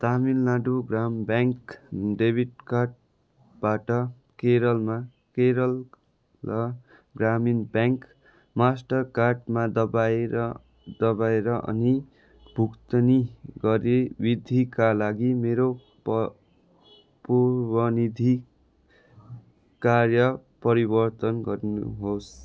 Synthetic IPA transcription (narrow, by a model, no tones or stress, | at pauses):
t̪amilnaɖuɡrambjaŋkɖebʱiʈkarɖ̚ | baʈʌ | keɾʌlma | keɾʌlː | ʌ | ɡraminbjaŋk | masʈʌrkarɖmad̪ʌbaeɾ | d̪ʌbaeɾʌʔʌ̰ni | bʱukt̪ʌniɡʌɾebid̪ʱikalaɡimeɾo | purbʌnid̪ʱi | karjʌpʌɾibʌrt̪ʌnɡʌɾinṵɦos